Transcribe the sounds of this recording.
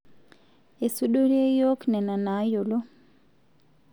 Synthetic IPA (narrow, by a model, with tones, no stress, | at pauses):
e˨su˦ɗo˦ɾie˦jo˦knɛ˨na˨na˨˦jo˨lo˦